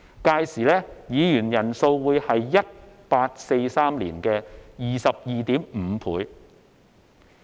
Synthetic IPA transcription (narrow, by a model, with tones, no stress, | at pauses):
kaː˧jsiː˨˩lɛː˥jiː˨˧jyː˨˩njɐ˨˩nso˧wwuː˨˧jhɐ˨jːɐ˥t̚paː˧t̚se˧jsaː˥mlḭː˨˩nkɛː˧jiː˨sɐ˨p̚jiː˨t̪iː˨˥mm̩˨˧pʰuː˨˧j